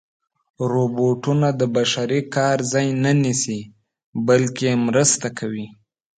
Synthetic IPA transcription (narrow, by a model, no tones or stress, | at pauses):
ɾoboʈunad̪əbaʃaɾikɑɾzɑjnanisi | balkemɾəst̪akʰawi